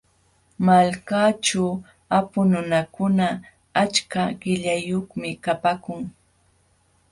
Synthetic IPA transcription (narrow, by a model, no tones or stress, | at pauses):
malkaːʈ͡ʂaw | apʊnʊnakʊna | at͡ʃkaɢɪʎajoχmɪkapakʊŋ